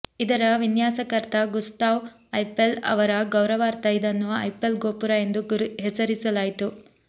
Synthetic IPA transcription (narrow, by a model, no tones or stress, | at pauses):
id̪ɐɾɐʋinjaːsɐkɐɾt̪ɐɡust̪aːʋ | ɐjpelɐ̰ʋɐɾɐɡɐwɾɐʋaːɾt̪ɐjid̪ɐnːuʋɐɐjpelɡoːpuɾae̞nd̪uɡɾɦɛsɐɾisɐlaːjit̪u